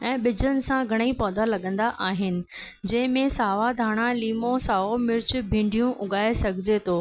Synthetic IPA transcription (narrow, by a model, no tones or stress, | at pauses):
ɛ̃ːɓɪd͡ʑənɪ̆sãɡʱɐɽ̃ipɔːd̪alɐɠə̃nd̪aʔaːɦɪnɪ̆ | d͡ʑɐ̃ɦɪ̃mẽsaːʋad̪ʱaːɽ̃aliːmosaːʋomɪɾɪt͡ɕʊ̆bʱĩːɳɖʱijũʔʊɠaːesɐɡʱɪd͡ʑet̪ʰoː